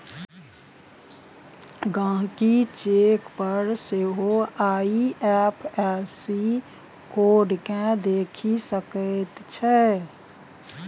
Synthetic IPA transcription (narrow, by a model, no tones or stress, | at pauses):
ɡãːɦkit͡ʃeːkpəɾseɦoaːiɛpʰɛsi | koːɖkẽd̪eːkʰisəkət̪t͡ʃʰɛ